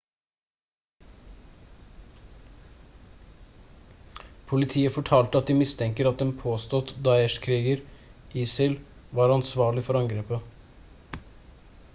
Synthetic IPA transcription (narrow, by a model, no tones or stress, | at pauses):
pʰʊlɪt̪ʰiːəfɔʈʰɑːlt̪əɑt̪̚d̪ɪːmɪst̪ʰɛŋkəɾɑt̪̚d̪ɛmpʰoːst̪ɔt̪d̪ɑɛʃkʰɾiːɡəɾʔiːsɪl | ʋɑːɾɑnsʋɑːɭɪfɔɾɑŋɡɾeːpə